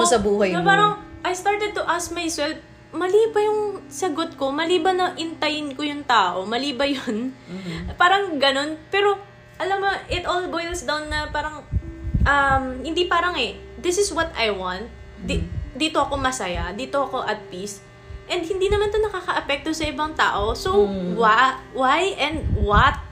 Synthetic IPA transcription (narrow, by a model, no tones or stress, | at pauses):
sɐbuːɦɐjɐpaːɾɐŋʔɐjst̪aɹt̪ɛd̪̚t̪ʊʔask̚majsɛlf | mɐliːbɐjʊŋsɐɡot̪̚ko̞mɐliːbɐnɐʔɪnt̪ɐjɪnkojʊŋt̪aːʔo̞mɐliːbɐjon | paːɾɐŋɡɐno̞npɛːɾo̞ | ʔɐlamːoʔɪt̪olbojlsd̪ɐwnːɐpaːɾɐŋʔɐmhɪnd̪ipaːɾɐŋɛd̪ɪsɪswɐt̪ajwant̪̚ | d̪id̪iːt̪oʔɐko̞mɐsajɐd̪iːt̪oʔɐko̞ʔɐt̪̚pis | ʔɛnd̪̚hɪnd̪iːnɐmant̪onɐkaːkɐʔɐpɛk̚t̪osɐʔɪbɐŋt̪a̰ːʔo̞sowawajʔɛnd̪̚wɐt̪̚